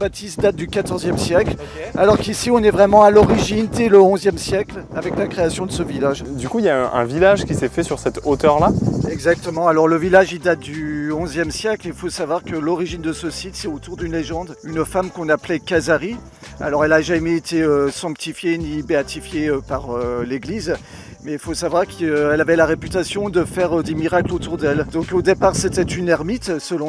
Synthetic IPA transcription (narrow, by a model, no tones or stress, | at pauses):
bat̪ist̪̚d̪at̪̚d̪ykat̪ɔʁzjɛmsjɛkl | alɔʁkisiɔ̃nɛvʁɛmɑ̃alɔʁiʒind̪ɛləɔ̃zjɛmsjɛklavɛklakχeasjɔ̃d̪əsəvilaʒd̪ykuljaɛ̰̃vilaʒkʲisɛfɛsyʁsɛt̪ot̪œʁlaɛɡzak̚t̪əmɑ̃alɔʁləvilaʒid̪at̪̚d̪yɔ̃zjɛmsjɛklilfosavwaʁkəlɔʁiʒind̪əsəsit̪sɛot̪uʁd̪ynleʒɑ̃d̪ynfamkɔ̃naplɛkazaʁi | a̰lɔʁɛlaʒamɛet̪eøsɑ̃k̚t̪ifjenibeat̪ifjeøpaʁøleɡliz | mɛilfosavwaʁkʰøɛlavɛlaʁepyt̪asjɔ̃d̪əfɛʁød̪emiʁaklot̪uʁd̪ɛld̪ɔ̃kod̪epaʁset̪ɛt̪ynɛʁmit̪səlɔ̃